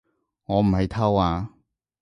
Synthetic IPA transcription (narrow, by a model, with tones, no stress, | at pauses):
ŋɔː˨˧m̩˨˩hɐ˨jt̪ʰɐ˥waː˧